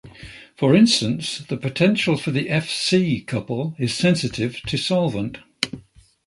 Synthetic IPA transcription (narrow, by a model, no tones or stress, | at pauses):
fəɹɪ̃nstə̃nsðəpʰətʰɛ̃nʃəlˠfəðiʔɛfsiːkʰʌpəlˠɪz̥sɛ̃nsɪtʰɪv̥tʰəsɒlˠvə̃nt